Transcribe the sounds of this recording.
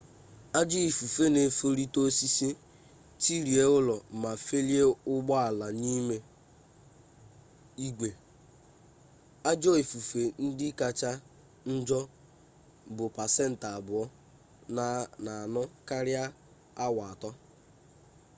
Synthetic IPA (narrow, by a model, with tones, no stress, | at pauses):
a˦d͡ʒɔ˦i˨fu˨fe˦ne˨fo˦ɾi˦to˦si˦si˦ | ti˦ɾi˨e˦ʊ˦lɔ˨ma˨fe˦li˦e˦ʊ˦ɡ͡bɔ˦a˨la˨niː˦me˦ | i˦ɡʷe˨ | a˦d͡ʒɔ˦i˨fu˨fe˨n̩˦dɪ˦ka˨t͡ʃa˦ | n̩˦d͡ʒɔ˦ | bʊ˨pa˨se˦n̩˨ta˨bʊ˨ɔ˦ | n˦na˨a˨nʊ˦ka˦ɾja˦ | a˦wa˨a˨tɔ˦